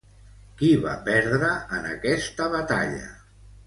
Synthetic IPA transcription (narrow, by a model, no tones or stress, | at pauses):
kiβa̰pɛɾðɾəənə̰kɛst̪əβat̪a̰ʎə̰